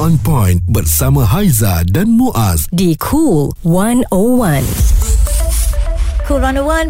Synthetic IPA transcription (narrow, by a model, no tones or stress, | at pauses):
ɔ̃npɔ̃j̃nbat̚saməɦajzadãnmuʔasdikʰul | wãnowãn | kʰulwãnowãn